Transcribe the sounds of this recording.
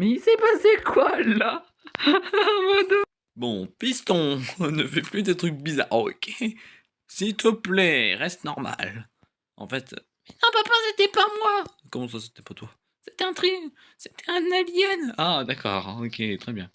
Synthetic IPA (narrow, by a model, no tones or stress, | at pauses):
mɛisɛpasekwala | mɔd̪ɔ | bɔ̰̃pist̪ɔ̃nəfɛplyd̪et̪χyk̚biza̰ʁo̰kʲʰe | silt̪ʰəplɛʁɛst̪ənɔʁma̰l | ɑ̰̃fɛt̪ | mɛnɔ̃papaset̪ɛpamwa | kɔmɑ̃s̬ase̥t̪ɛpat̪wa | set̪ɛɛ̃t̪χi | set̪ʰɛɛ̃navjɛnad̪akɔ̰ːʁokʲʰet̪χɛbjɛ̃